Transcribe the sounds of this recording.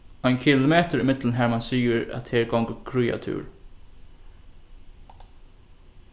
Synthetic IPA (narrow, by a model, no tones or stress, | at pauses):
œʏnkʰilʊmeːt̪əɾɪmɪt̪lənɦæɹmansiːəɹæ̰t̪heːɹɡɔŋkəkʰɹuːa̰t̪ʰʉ̰ːɹ